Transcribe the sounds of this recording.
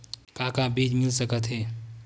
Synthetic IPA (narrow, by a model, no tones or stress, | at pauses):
kãːkabiːd͡ʒmɪlsəkət̪ɦeː